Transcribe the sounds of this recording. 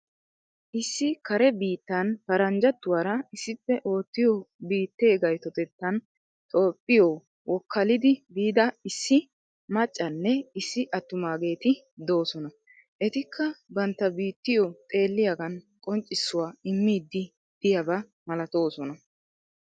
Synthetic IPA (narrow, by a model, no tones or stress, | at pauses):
ʔɪsːɪkɐɾɛbiːt̪ːɐnpɐɾɐnd͡ʒɐt̪ːʊwaːɾɐɪsːɪpːɛʔo̞ːt̪ːɪjobiːt̪ːe̞ːɡɐjt̪ɔt̪ɛt̪ːɐn | t̪ʼo̞ːpʼːɪjɔ | wɔkʰːɐlɪd̪ɪbiːd̪ɐɪsːɪ | mɐt͡ʃʼːɐnːɛɪsːɪʔɐt̪ːʊmaːɡe̞ːt̪ɪ | d̪o̞ːsɔnɐ | ʔɛt̪ɪkʰːɐbɐnt̪ːɐbiːt̪ːɪjɔt̪ʼe̞ːlːɪjɐɡɐn | kʼɔnt͡ʃʼːɪsːʊwaːɪmːiːd̪ːɪ | d̪̥ɪjɐbɐ | mɐlɐt̪o̞ːsɔnɐ